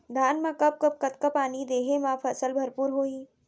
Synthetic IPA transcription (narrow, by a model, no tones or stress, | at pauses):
d̪ʱaːnmãkɐp̚kəp̚kɐt̪kɐpaːnid̪eːɦemãpʰɐsəlbʱɐɾpuːɾɦoːiː